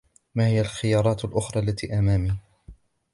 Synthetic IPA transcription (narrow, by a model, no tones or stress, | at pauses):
maːhɪjalxɪjɑːɾˤɑːt̪alʔʊxɾˤɑːlːat̪iːʔamaːmiː